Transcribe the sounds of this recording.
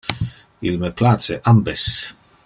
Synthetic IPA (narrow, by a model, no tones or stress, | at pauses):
ilmeplat͡seʔambes